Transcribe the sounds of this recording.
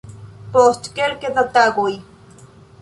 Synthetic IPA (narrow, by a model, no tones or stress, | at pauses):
post̪kelked̪at̪aɡui